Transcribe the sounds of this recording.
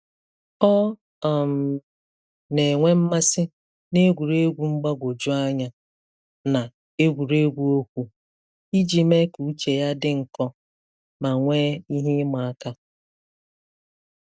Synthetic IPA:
ɔ˦ | a˨m̩˨ | ne˨ŋʷe˦m̩˦ma˦sɪ˦ | ne˦ɡʷu˨ɾe˦ɡʷu˨ŋ͡m̩˦ɡ͡ba˦ɡʷo˨d͡ʒʊ˦a˦ɲa˦ | na˨ | e˦ɡʷu˨ɾe˦ɡʷu˦o˦kʷu˦ | i˦d͡ʒi˦me˦ku˨˦t͡ʃe˨ja˦dɪ˦ŋ̩˨kɔ˦ | ma˨ŋʷe˦i˦ɦi˦ma˨a˦ka˦

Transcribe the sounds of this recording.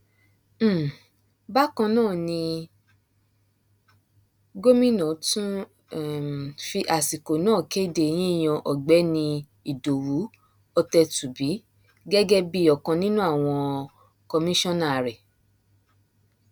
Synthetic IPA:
ba˦kã˧nãː˦˨nĩ˧ | ɡo˦mĩ˦nɔ̃˨tũ˦˨ | fi˧ʔa˨si˨ko˨nãː˦˨ke˦i˦˨de˦˨j̃ĩ˦i˦˨j̃ɔ̃˧˨ʔɔ˨ɡ͡bɛ˨˦nĩ˧ | i˨do˨ɾu˨˦ | ɔ˧tɛ˧tu˨bi˨˦ | ɡɛ˦ɡɛ˦bi˦ɔ˨kã˧nĩ˦nũ˦a˦˨w̃ɔ̃˧ | kɔ˧mĩ˦ʃɔ̃˦nã˦˨ɾɛ˨

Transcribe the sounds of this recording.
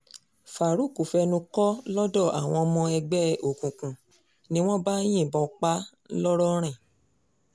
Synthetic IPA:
fa˨ɾu˦˨ku˨fɛ˧nũ˧kɔ˦lɔ˦dɔ˦˨a˨w̃ɔ̃˧mɔ̃˧ɛ˧ɡ͡bɛ˦o˨kũ˨kũ˨ | nĩ˦w̃ɔ̃˦ba˦j̃ĩ˦˨bɔ̃˧k͡pa˦ | lɔ˦ɾɔ˦ɾ̃ɛ̃˦˨

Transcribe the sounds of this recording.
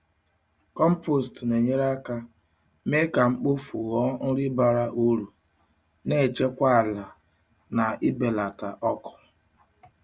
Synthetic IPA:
kɔ˦m̩˦po˦˨stne˨ɲe˦ɾa˦ka˦ | me˦ka˨ŋ͡m̩˦k͡po˦fu˨ɣɔ˦n̩˦ɾɪ˦ba˨ɾa˦ʔu˦ɾu˨ | ne˦˨t͡ʃe˦kʷa˦a˨la˨ | na˨ɪ˦be˨la˨ka˨ʔɔ˦kɔ̥˨

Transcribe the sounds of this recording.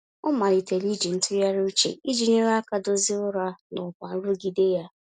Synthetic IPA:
ʊ˦ma˨li˨te˨li˦d͡ʒi˨n̩˦tʊ˦ɾja˦ɾʊ˦u˦t͡ʃḛ˨i˦d͡ʒi˨ɲe˦ɾa˦ka˦do˦zɪ˦ʊ˦ɾa˦nʊ˨kʷa˨n̩˦ɾʊ˦ɡi˨de˦ja˦

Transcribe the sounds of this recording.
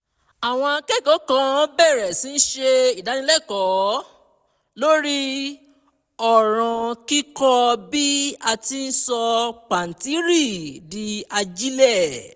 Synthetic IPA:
a˨w̃ɔ̃˧a˧kɛ˦˨kɔ˨˦kã˧˦bɛ˦˨ɾɛ˨sĩ˨˦n̩˦ʃe˧i˨da˨˦nĩ˧˦lɛ˦˨kɔ˨˦ | lo˦ɾi˦ | ɔ˦˨ɾ̃ã˨ki˦kɔ˦bi˦a˧ti˧n̩˦sɔ˧k͡pa˨n̩˨ti˨˦ɾi˦˨di˧˦a˧d͡ʒi˦lɛ˦˨

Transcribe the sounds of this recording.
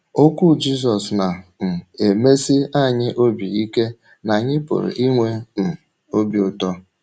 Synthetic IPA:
o˦kʷu˦˨d͡ʒi˦s̬ɔ˨sna˨m̩˨e˨me˦si˦a˦˨ɲɪ˦ʔo˦bi˨i˦ke˦ | na˨ɲɪ˦pʊ̰˨ɾʊ̰˨ʔi˦ŋʷe˦m̩˨ | o˦bi˨ʊ˨tɔ˦

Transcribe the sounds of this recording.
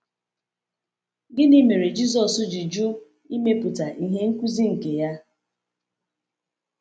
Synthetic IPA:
ɡɪ˦ni˦me˨ɾe˨d͡ʒi˦zɔ˨sʊ˦d͡ʒi˨d͡ʒu˦ | i˦me˦pu˨ta˨ʔi˨ɦe˦ŋ̩˦ku˦zi˦ŋ̩˨ke˨ja˦

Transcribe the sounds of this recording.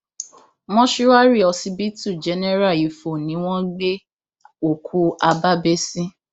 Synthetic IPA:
mɔ̃˦ʃi˦wa˦ɾi˦˨ɔ˧si˧bi˦tu˦˨d͡ʒɛ˨˦nɛ˦ɾa˦˨i˨˦fo˨nĩ˨˦w̃ɔ̃˦ɡ͡be˦ | o˨kʰu˦a˧ba˦be˦sĩ˦

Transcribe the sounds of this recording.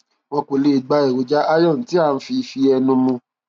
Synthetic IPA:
w̃ɔ̃˧ko˨le˦i˨ɡ͡ba˧˦i˨wo˨d͡ʒa˦ʔa˦jɔ̃˦˨n̩˨˦ti˦a˦˨n̩˦fi˧fi˧ɛ˧nũ˧mũ˧

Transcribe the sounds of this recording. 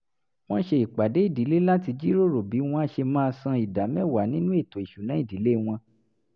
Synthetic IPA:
w̃ɔ̃˦ʃe˧i˨k͡pa˨de˨˦i˦˨di˨˦le˦la˦ti˧d͡ʒi˦ɾo˦˨ɾo˨bi˨˦w̃ɔ̃˧˦˧ʃe˧mãː˦˧sã˧i˨da˨˦mɛ̃˦˨wa˨nĩ˨˦nũ˦e˦˨to˨i˨ʃu˨nã˨˦i˦˨di˨˦le˦˨w̃ɔ̃˧

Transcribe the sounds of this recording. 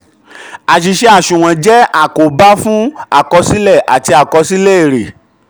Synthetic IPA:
a˨ʃ̬i˨ʃe˧a˨ʃũ˨w̃ɔ̃˨d͡ʒɛ˦a˦˨ko˨ba˦fũ˦a̰˦˨kɔ˧si˦lɛ˦˨ʔa˨ti˧a˨kɔ˧si˦le˦e˦˨ɾe˨

